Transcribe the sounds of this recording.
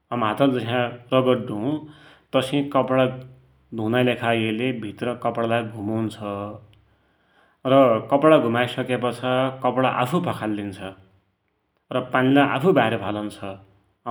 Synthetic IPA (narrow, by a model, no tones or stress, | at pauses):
ʌmɦat̪ʌld͡zʌɦãrʌɡʌʈɖʱuũt̪ʌsĩkʌpɽa | d̪ʱũnajlekʰajelebʱit̪rʌkʌpɽalajɡʱumawnt͡sʰʌ | rʌkʌpɽaɡʱumajsʌkepʌt͡sʰʌkʌpɽaʔa̰pʰupʰʌkʰalːint͡sʰʌ | rʌpanilajʔa̰pʰubaɾipʰalʌnt͡sʰʌ